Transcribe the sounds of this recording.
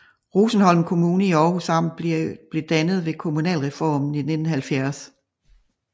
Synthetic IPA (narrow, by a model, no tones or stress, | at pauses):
ʁusn̩hɒ̽l̰mkʰo̝muːnəiɒːhusɑ̈m̰nb̥le̝d̥ænð̞̩ˠʋe̝kʰo̝munɛ̰ːlʁɛfɒ̰ːmn̩ine̝d̥n̩hælfjæɐs